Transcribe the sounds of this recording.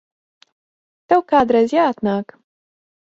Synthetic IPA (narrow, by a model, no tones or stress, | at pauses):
t̪ɐwkad̪ɾazʲɛat̪nak